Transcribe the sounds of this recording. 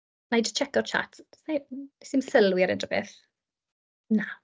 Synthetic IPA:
najdət͡ʃʰɛkɔrt͡ʃʰa̰tʰsnḁsɪmsəlˠwiaɾɪ̰ndʰɔbḛθ | na

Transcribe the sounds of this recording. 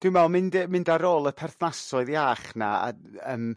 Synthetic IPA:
d̥ɪmɛlˠmɪndəmɪndaɾoːlˠəpʰɛrθnasɔɨðjaːχnaa̰ | əːm

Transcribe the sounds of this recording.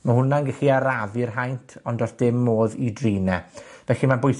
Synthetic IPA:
mahʊnanɡɛxiaɾavɨrɦajntʰɔndɔsd̥ɪmːoːðidriːnɛvɛɬimabʊjθ

